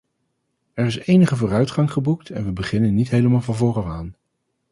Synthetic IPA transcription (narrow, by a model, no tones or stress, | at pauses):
ɛɹɪsejnəχəvʊːrœɥtχɑŋχəbuk̚tʰɛ̰nʋəbəχɪnənːitɦejləmaːlˠvɑnvʊːrɑwaːn